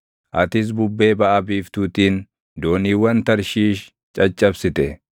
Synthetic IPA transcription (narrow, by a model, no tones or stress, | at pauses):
ʔɐt̪ɪs̬bʊbːe̞ːbɐʔɐbiːft̪uːt̪iːn | d̪o̞ːniːwɐnt̪ɐɾʃiːʃ | t͡ʃʼɐt͡ʃʼːɐbsɪt̪ɛ